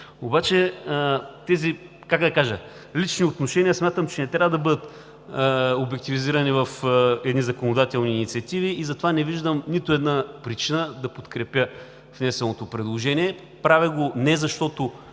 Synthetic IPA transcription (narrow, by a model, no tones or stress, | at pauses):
obat͡ʃɛ | t̪ɛzi | kakd̪ɐkaʒɐ | lit͡ʃniot̪noʃɛnijəsmʲat̪əmt͡ʃɛnɛt̪ɾʲavəd̪ɐbɤd̪ət̪ | obɛk̚t̪iviziɾɐnivɐfɛd̪nizɐkonod̪at̪ɛlˠniːnit̪siɐt̪iviːzɐt̪ovanɛviʒd̪əmnit̪oɛd̪napɾit͡ʃinəd̪ɐpot̪kɾɛpʲjə | vnɛsɛlˠot̪opɾɛd̪lˠoʒɛniɛ | pɾavɛɡonɛzɐʃt̪ot̪o